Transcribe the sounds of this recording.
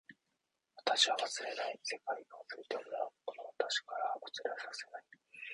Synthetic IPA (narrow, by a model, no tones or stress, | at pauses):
βat̪aɕiβaβasɨɾe̞naise̞kaiɡaasɨɾet̪emonakonoβat̪aɕi̥kaɾaot͡sɨɾasase̞nai